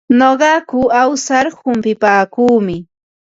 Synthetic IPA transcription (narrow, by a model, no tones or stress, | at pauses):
noɢɑkʊawsaɾhʊmpɪpaːkuːmɪ